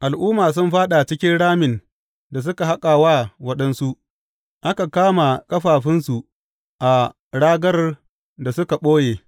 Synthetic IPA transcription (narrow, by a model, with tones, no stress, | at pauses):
ʔa˨lʔuː˦maː˨s̬ʊ˦mɸaː˦ɗa˨t͡ʃɪ˦kʲɪ˦nɽaː˦mɪ˨n | da˨s̬ʊ˦ka˨ɦa˦kʼaː˨waː˦wɐ˦ɗɐ˦nsu˦ʔ | ʔa˦ka˨kaː˦ma˨kʼɐ˦ɸaː˨ɸɪ˦nsu˨ʔ | ʔa˨ | ɽaː˦ɡɐ˦r | da˨sʊ˦ka˨ɓoː˦jeː˨